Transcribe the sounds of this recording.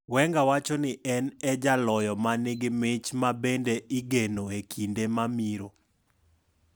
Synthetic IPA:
wɛŋɡawat͡ʃɔnɪʔɛnɛd͡ʒalɔjɔmanɪɡɪmɪt͡ʃmabendeʔɪɡenoekʰindemamiɾo

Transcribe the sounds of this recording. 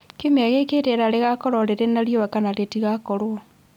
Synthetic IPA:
komeaɣeketeɾaɾeɣakoɾoɾeɾenaɾijoβakanaɾetiɣakoɾwo

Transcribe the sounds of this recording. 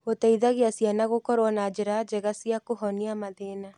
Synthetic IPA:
otɛiðaɣeasianaɣokɔɾwɔnad͡ʒeɾad͡ʒeɣasiakoɦɔniamaðena

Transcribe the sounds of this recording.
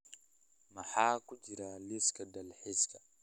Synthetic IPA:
maħaːkud͡ʒiɾaliskadalħiska

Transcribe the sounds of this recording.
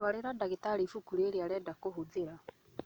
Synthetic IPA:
waleɾadaɣetaɾifukuɾeːɾjalɛdakoɦud͡zeɾa

